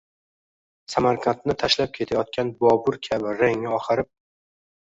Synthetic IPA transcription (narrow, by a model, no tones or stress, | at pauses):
samaɾkʰant̪nɪt̪ʰaʃlap̚kʲʰe̞t̪ʰajɒt̪̚kʲanbɒbʊɾkʲʰabɪɾaŋɪɒχɨɾɪp̚